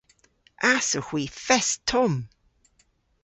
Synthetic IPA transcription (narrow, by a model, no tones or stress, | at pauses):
ʔasəxw̥iːfɛstʰɔm